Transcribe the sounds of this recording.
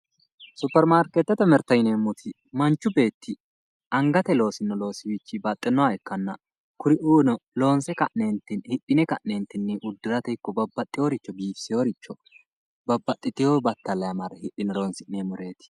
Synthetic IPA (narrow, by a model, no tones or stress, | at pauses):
sʊpːɛɾmaːɾket̪ːɛt̪ːɛmɛɾt̪ɐjneːmːʊt̪ʰɪ | mɐnt͡ʃːʊbe̞ːt̪ːɪ | ʔɐŋɡɐt̪ɛlo̞ːsɪnːɔlo̞ːsɪwɪt͡ʃːɪbɐt̪ʼːɛnːɔwaɛkːɐnːɐ | kʊɾɪʔuːnɔlo̞ːnsɛkɐʔneːnt̪ːɪnhɪɗːɪnɛkɐʔneːnt̪ːɪnːɛʔʊd̪ːʊlɐt̪ɛkːɔbɐbːɐt̪ʼːɪjoːɾɪt͡ʃːɔbiːfsɪjoːɾɪt͡ʃːɔ | bɐbːɐt̪ʼːɪt̪ɪjoːbɐt̪ːɐlːɐjɐmɐɾɐhɪɗɪnɛlo̞ːnsɪnːemɔɾe̞ːt̪ɪ̥